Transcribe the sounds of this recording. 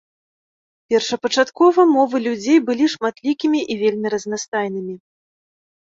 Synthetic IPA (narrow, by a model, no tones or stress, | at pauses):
pʲɛrʂɐpɐt͡ʂat̪kɔvɐmɔvɨlʲud͡zʲejbɨlʲiʂmat̪lʲikʲimʲiʔivʲelʲmʲiɾɐznast̪ajnɨmʲi